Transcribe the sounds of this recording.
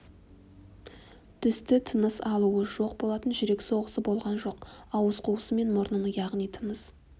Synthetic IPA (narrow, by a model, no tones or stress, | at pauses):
t̪ʰʏst̪ɪt̪ʰənəsɑlˠuəʒo̞q̚bo̞lˠɑt̪ənʒʏɾe̞kʲso̞ʁəsəbo̞lˠʁɑnʒo̞qɑwəzqʰuwəsəme̞nmʊɾnənəjɑʁnijt̪ʰənəs